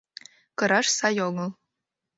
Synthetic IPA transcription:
kɤ̆ɾɑʃsɑjoɡɤlˠ

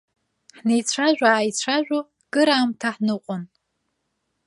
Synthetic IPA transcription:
ħnejt͡sʷʰaʒᶣʷaːjt͡sʷʰaʒᶣo | ɡ̥ɨɾaːmtʰaħnɨqʷʼʊn

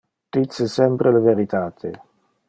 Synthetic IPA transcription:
d̪̥it̪sesɛmpɾeleveɾit̪aːt̪ʰe

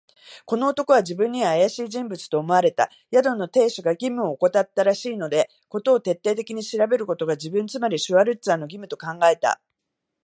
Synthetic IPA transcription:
ko̞no̞ːt̪o̞ko̞βad͡ʑibɯ̟̃ɲ̟ːiβaːjaɕiːʑĩmbɯ̟t͡sɨ̥t̪o̞ːmo̞aɾe̞t̪a̰ | jad̪o̞nːot̪e̞ːɕoɡaɡʲimɯ̟o̞ːko̞t̪at̪ːaɾaɕiːno̞d̪e̞ | ko̞t̪o̞ːt̪e̞t̪ːe̞ːt̪e̞kʲiɲ̟iɕiɾabe̞ɾɯ̟ko̞t̪o̞ɡad͡ʑibɯ̟̃nt͡sɨmaɾʲiɕɨβaɾɯ̟t͡sɨano̞ɡʲimɯ̟t̪o̞kãŋɡae̞t̪a̰

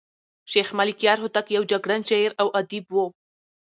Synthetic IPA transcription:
ʃexmalikjɑɾɦʊt̪akjawd͡ʒaɡɽant͡ʃaeɾawʔad̪ibwo

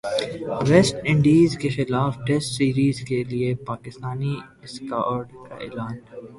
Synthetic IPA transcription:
ʋɛsʈɪ̃ɳɖiːzkexɪlaːfʈɛsʈsiːɾiːzkeliepaːkɪst̪aːni | ɪska̰ːɾɖka̰ḛːlaːn

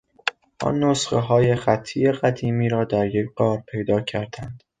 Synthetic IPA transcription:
ʔɒ̰nːosχeɦɒːje̞xæt̪ʰːiːjeɣæd̪iːmiːɾɒːd̪æɾjecɢɒːɾpʰe̞jd̪ɒːcʰæɾd̪̥ænd̪̥

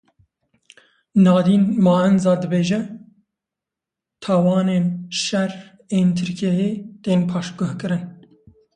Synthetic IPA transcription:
nɑːd̪iːnmɑːɛnzɑːd̪ɨbeːʒɛ | t̪ʰɑːwɑːneːnʃɛr | eːnt̪ʰɨɾkʰiɛjeːt̪eːnpʰɑːʃɡʊhkɨɾɨn

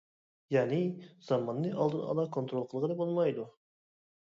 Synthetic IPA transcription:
jɑːnɪz̥ɑmɑnːɨʔɑ̰lˠd̪ɨnɑ̰lˠɑkʰont̪ɾolˠqʰəlˠʁəd̪ɛbolˠmɑjd̪u

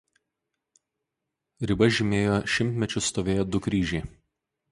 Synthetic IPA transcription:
ɾʲɪbɐʒʲɪmʲeːjoːʃʲɪmʲt̪ʲmʲɛt͡ʃʲʊst̪oːʋʲeːjoːd̪ʊkɾʲiːʒʲɛɪ

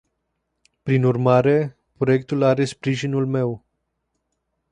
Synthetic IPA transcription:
pɾinurmaɾe̞ | pɾoje̞k̚t̪ulaɾe̞spɾiʒinulme̞w

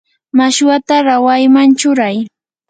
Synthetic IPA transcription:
maʃwat̪aɾawajmant͡ʃʊɾaj

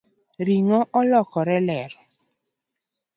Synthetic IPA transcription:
ɾiŋɔʔɔlɔkɔɾɛlɛɾɛ

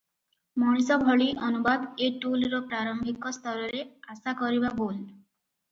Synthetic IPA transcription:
mɔɽ̃isɔbʱɔɭiʔɔnubad̪eʈulɾɔpɾaɾɔmbʱikɔst̪ʰɔɾɔɾeasakɔɾibabol

